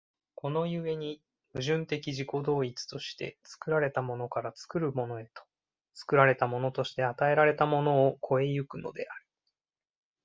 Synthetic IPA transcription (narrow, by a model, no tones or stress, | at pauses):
ko̞no̞jɯ̟e̞ɲ̟i | mɯ̟ʑɨ̃nt̪e̞kʲiʑiko̞d̪o̞ːit͡sɨ̥t̪o̞ɕi̥t̪e̞̰t͡sɨ̥kɯ̟ɾaɾe̞t̪amo̞no̞kaɾat͡sɨ̥kɯ̟ɾɯ̟mo̞no̞e̞t̪o̥ | t͡sɨ̥kɯ̟ɾaɾe̞t̪amo̞no̞t̪o̞ɕi̥t̪e̞at̪ae̞ɾaɾe̞t̪amo̞no̞ːkʰo̞e̞jɯ̟kɯ̟no̞̰d̪e̞̰aɾɯ̟